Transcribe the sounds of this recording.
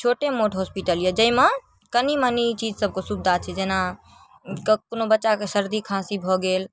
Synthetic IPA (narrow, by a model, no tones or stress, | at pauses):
t͡ʃʰoʈemoʈɦospiʈəljed͡ʒəime | kənimənit͡ʃid͡ʒsəb̚kosubd̪ʱat͡ʃʰɛd͡ʒena | kkonobətːʃakesəɾd̪ʱikʰãsibʱɔɡel